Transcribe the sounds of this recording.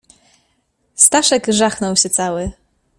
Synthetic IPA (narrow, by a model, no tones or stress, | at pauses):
st̪aʂɛɡʐaxnɔwɕɛt̪sawɘ